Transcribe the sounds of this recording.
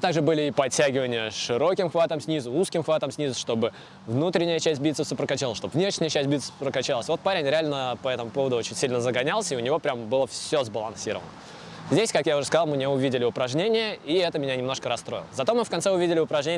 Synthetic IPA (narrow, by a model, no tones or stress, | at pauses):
ɨt̪aɡʐɨbɨlʲɪipɐtʲæɡʲɪvənʲɪjəʂɨɾo̞kʲɪmxvat̪əmsʲnʲizʊuskʲɪmxvat̪əmsʲnʲizʊʂt̪o̞bɨ | vnut̪ɾʲɪnʲɪjət͡ɕæsʲt̚ʲbʲit̪səfsəpɾəkɐt͡ɕalˠəʂt̪ovnʲeʂnʲɪjət͡ɕæsʲt̚ʲbʲit̪səpɾəkɐt͡ɕalˠəsʲvo̞t̪̚paɾʲɪnʲɾʲɪalʲnəpɐɛt̪əmʊpo̞vəd̪ʊot͡ɕɪnʲsʲilʲnəzəɡɐnʲalˠsʲəiʊnʲɪvo̞pɾʲambɨlˠəfsʲozbəlˠɐnsʲiɾə̰və̰nə | zʲdʲesʲkakjaʊʐɨskɐzɑlˠmɨnʲeʊvʲidʲɪlʲɪʊpɾɐʐnʲenʲɪjəiɛt̪əmʲɪnʲanʲɪmno̞ʂkəɾɐst̪ɾo̞̰ɪ̰lˠəzɐt̪o̞mɨfkɐnt̪sɛʊvʲidʲɪlʲɪʊpɾɐʐnʲenʲ